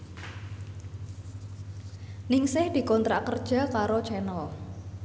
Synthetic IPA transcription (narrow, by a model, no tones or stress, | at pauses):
nɪŋsɪhd̪̥i̤kɔnt̪ɾaʔkərd̥ʒ̥a̤kaɾo̥t͡ʃɛnɔ